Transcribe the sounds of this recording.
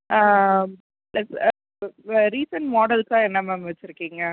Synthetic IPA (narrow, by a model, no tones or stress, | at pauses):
aː | lɛs | ɾiːsɐɳʈmɔːɽɐlkãːɛnːɐmɐmʋɐt͡ʃːɪɾɯkːiːŋɡɐ